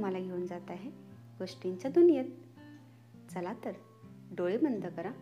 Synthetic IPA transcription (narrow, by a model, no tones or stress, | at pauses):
m̤alaɡʱeund͡zat̪aɦeɡoʂʈiɲt͡ɕad̪unjet̪̚ | t͡səlat̪əɾ | ɖoɭimənd̪ʱəkəɾa